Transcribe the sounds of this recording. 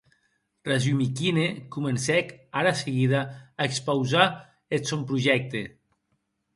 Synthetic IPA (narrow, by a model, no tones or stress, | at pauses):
razumikinekumensɛkaɾaseɣiðaːekspawza | esompɾuʒɛk̚t̪e